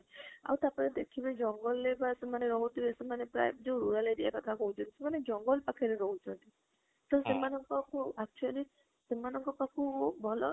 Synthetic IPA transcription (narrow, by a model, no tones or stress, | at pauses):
a̰wt̪apaned̪ekʰibad͡ʒɔŋɡɔlːebasemaneɾɔɦut̪ibesemanepɾa̰jbd͡ʒẽɾuɾaledia̰kɔt̪ʰakɔɦũt͡ʃʰɔnt̪isemaned͡ʒɔŋɡɔlpakʰeɾeɾɔɦut͡ʃʰɔnt̪i | t̪ɔsemanɔŋkɔkuak̚t͡ʃuali | semanɔŋkɔpakʰubʱɔlɔ